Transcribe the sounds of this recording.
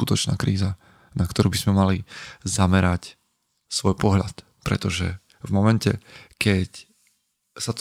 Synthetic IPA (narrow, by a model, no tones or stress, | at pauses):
ut̪ɔt͡ʃna̰ːkɾiːza | nakt̪ɔɾuːbizmɛmalizamɛɾac | sʋɔjpɔɦʎat̪ | pɾɛ̰t̪ɔʒɛ̰ | vmɔmɛncɛkɛc | sat̪